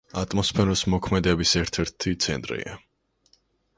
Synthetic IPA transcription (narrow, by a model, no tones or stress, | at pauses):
at̪ʼmɔspʰɛɾɔsmɔkʰmɛd̪ɛbisɛɾt̪ʰɛɾt̪ʰit̪sʰɛ̰nt̪ʼɾḭa